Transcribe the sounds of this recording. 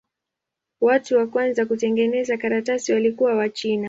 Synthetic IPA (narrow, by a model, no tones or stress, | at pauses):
watuwakwanzakutɛŋɡɛnɛzakaɾatasiwalikuwawat͡ʃina